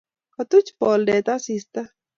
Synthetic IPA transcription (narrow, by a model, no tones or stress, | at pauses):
kɐt̪ut͡ʃpɔːlɖeːt̪asist̪a